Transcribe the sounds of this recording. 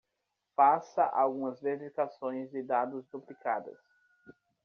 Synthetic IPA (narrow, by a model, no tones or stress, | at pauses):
fasɐʔa̰wɡũmɐzveɾifikasõj̃zd͡ʒɪd̪ad̪ʊzd̪uplikad̪ɐ̰s